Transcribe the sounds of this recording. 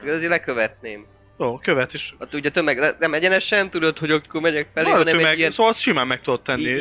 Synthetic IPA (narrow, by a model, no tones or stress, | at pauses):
ɛkɾɛzeːɾlɛkøvɛt̪neːm | joːkøvɛt̪eʃɒt̪uːɟɛt̪ømːɛɡ̪ɛnɛmɛɟɛnɛʃɛnt̪ud̪ot̪ho̞ɟokːoːrmɛɟɛkfɛlːiɔnɛmɛijɛsoːɒlsʃimaːmːɛkt̪ud̪ot̪ːɛnːi